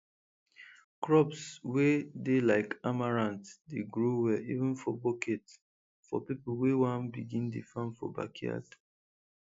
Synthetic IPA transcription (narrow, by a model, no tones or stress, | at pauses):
kɹɔpswedelaɪkamaɹãntdeɡɹowɛivə̃nfɔboket | fɔ̰pipl̩wewãnbiɡĩndefãnfɔ̰ba̰kʰia̰d